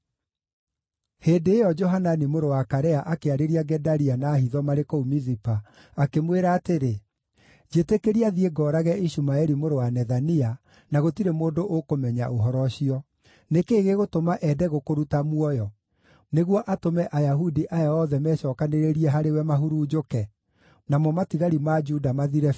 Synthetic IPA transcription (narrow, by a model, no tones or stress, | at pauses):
heːndeːjɔd͡ʒɔɦananimoɾowakaɾɛaʔakeaɾeɾiaɡɛdaɾianaːhiðɔmaɾekoumizipa | akemweɾaːteɾe | d͡ʒetekeɾiaðieɡɔɾaɣɛiɕumaɛɾimoɾowanɛðania | naɣotiɾemoːdoʔokomɛɲa̰ʔoɦɔɾɔɕiɔ | nekeːɣeɣotomaʔɛdɛɣokoɾutamuɔjɔ | neɣwɔʔatomɛʔajaɦudiʔajaɔðɛmɛɕɔːkaneɾeɾiɛɦaɾewɛmaɦuɾuːd͡ʒokɛ | namɔmatiɣaɾimad͡ʒudamaðiɾɛ